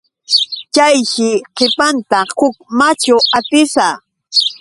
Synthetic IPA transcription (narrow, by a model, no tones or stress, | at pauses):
t͡ʃajʃɪqʰepant̪ahʊk̚mat͡ʃʊat̪ɪsaː